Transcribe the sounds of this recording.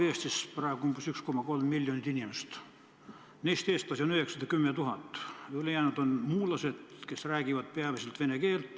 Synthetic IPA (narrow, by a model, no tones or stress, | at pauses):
eːst̪isprɑeɡo̥umbusyksko̞mɑko̞lmːilʲjonʲit̪inʲimest̪ | nejst̪eːst̪pɑsionyheksɑd̪̥ɑkymːet̪uɦɑt̪ːˑjylejæːnud̪̥o̞nmuːlɑse̞d̪̥ke̞sræːɡ̥ivɑd̪̥peɑviselt̪ve̞neke̞ːlt̪ːˑ